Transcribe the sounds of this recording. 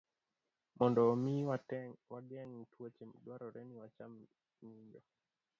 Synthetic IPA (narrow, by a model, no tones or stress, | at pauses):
mɔndɔmiwaɡɛŋtwot͡ʃemdwaɾɔɾɛniwat͡ʃamː | iɲd͡ʒɔ